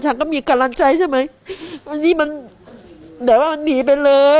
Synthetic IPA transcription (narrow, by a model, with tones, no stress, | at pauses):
t͡ɕʰa˦˥nkɔː˥˩miː˧ka˧la˧ŋt͡ɕa˧jt͡ɕʰa˥˩ma˦˥j | wa˧niː˦˥ma˧n | dɯ˩˦waː˥˩ma˧nniː˩˦p̬a˧jlɤː˧